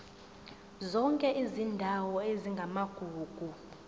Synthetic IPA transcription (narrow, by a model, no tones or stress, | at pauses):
zɔŋkʼɛʔizindʱawɔeziŋɡʱamaɡ̥ʱuːɡ̥ʱu